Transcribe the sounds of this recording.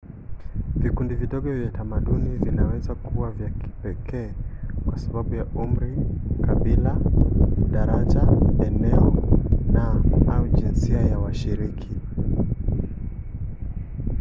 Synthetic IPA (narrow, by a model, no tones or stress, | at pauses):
vikundiviɗɔɠɔvjatamaɗunivinawɛzakʰuwavjaki̥pɛkʰɛːkwasaɓaɓujaum̩ɾikaɓila | ɗaɾaʄaɛnɛɔnaauʄinsiajawaʃiɾikʰi